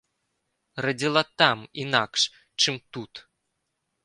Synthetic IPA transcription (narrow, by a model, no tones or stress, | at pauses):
rɐd͡zʲilˠat̪aminakʂ | t͡ʂɨmt̪ut̪